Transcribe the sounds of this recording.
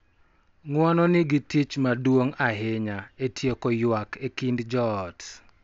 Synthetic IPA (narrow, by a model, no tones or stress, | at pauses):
ŋwɔnɔnɪɡitit͡ʃmadwoŋaɦeɲaetʰjekɔjwakekindd͡ʒɔːt